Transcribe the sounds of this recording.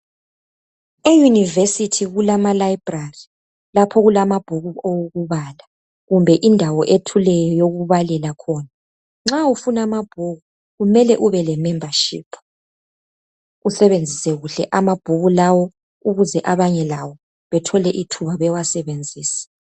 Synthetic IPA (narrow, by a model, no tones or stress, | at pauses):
ejunivesitʰiɣulamalaib̥rari | lapʰɔɣulamab̥ʱuɣuowoɣuβala | ɣumbʱɛʔindʱawɔʔetʰulɛjɔjoɣuβalɛlakʰɔːna | ŋ͡ǁaufunamab̥ʱuɣu | ɣumɛlɛʔuβɛlɛmɛmbʱaʃḭːpʰu | usɛβend͡zʱisɛɣuɬɛ̰ʔamab̥ʱuɣulawɔ | uɣuzɛʔaβaɲɛlawɔ | βɛtʰɔlɛʔitʰuβaβɛwasɛβend͡zʱiːsi̥